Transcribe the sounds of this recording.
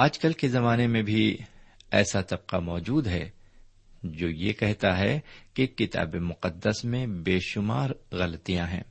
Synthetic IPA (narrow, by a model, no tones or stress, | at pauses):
aːd͡ʒkəlkezɐmaːnemẽbʱi | ɛːsad̪ɐb̚qamɔːd͡ʒuːd̪ɦɛ | d͡ʒoːjekɛɦt̪aɦɛkekɪt̪a̰ːbemʊqəd̪ːəsmẽbeːʃʊma̰ːɾɣɐlt̪ijãɦɛ̰̃ː